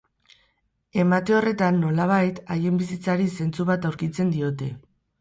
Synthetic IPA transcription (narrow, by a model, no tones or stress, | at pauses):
e̞mat̪e̞o̞re̞t̪anːo̞laβ̞ajt̪aje̞mbisit͡saɾise̞nt͡suβat̪awɾkit͡se̞nd̪io̞t̪e̞̰